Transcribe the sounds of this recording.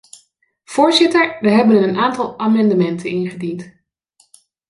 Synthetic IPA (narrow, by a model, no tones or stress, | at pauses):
v̥ʊːɹzɪtəɹʋəɦɛbənəənʔaːntɑlˠaːmɑndəmɛntənɪnχədint